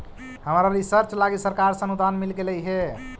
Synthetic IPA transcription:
həmɾalisəɾt͡ʃlaɡisəɾkaɾsə̃nud̪anmilɡeləjɦe

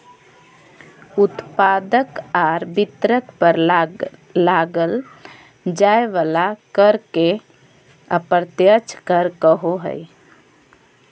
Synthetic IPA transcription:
ʊt̪paːd̪əkaːɾbɪt̪ɾəkpəɾ | laɡəl | d͡ʒaːeʋalakəɾke | əpəɾt̪jət͡ʃʰkəɾkəɦoɦə̰j

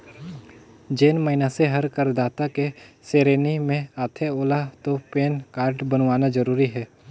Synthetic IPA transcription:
d͡ʒeːnməɦɪnaseɦɐɾkəɾd̪aːt̪akeseːɾeːnimẽaːt̪ʰeoːlat̪opeːnkaːɾɖbənʋaːnad͡ʒəɾuːɾiɦɛː

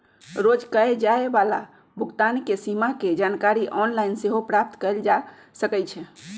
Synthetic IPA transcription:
ɾod͡ʒkəed͡ʒaebala̰ | bʱuɡt̪ankesimaked͡ʒankaɾiʔɔnlainseɦopɾap̚t̪kəld͡ʒa | səkɛjt͡ʃʰɛ

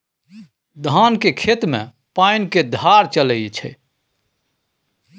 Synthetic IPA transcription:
d̪ʱankekʰet̪mḛ̃ | painked̪ʱaɾt͡ʃələjt͡ʃʰɛ̰

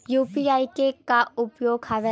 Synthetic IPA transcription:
juːpiaːikekaʊpjoːɡhaʋe

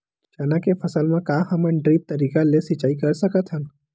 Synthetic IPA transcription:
t͡ʃanãkefʰəsəlmãkaɦəməɳɖɾiːp̚t̪əɾiːkalesɪt͡ʃaːikəɾsəkət̪ɦə̃n

